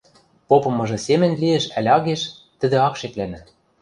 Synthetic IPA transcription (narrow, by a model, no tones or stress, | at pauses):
popɤ̆mɤ̆ʒɤ̆semɘ̆nʲlieʃælʲɑɣeʃ | t̪ɘ̆d̪ĕɑkʃeklænæ̆